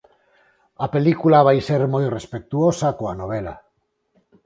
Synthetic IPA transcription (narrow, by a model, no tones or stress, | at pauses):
apelikulaβ̞ajseɾmojrespek̚t̪uosakoanoβ̞ela̰